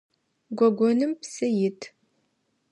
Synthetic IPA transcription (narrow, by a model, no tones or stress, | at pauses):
ɡʷɔɡʷɔnɨmpsɨjɪtʰ